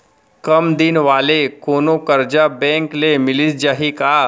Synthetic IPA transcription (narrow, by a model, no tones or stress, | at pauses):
kəmd̪inʋaːlekonokəɾd͡ʑabɛ̃ŋklemɪlisd͡ʑaɦika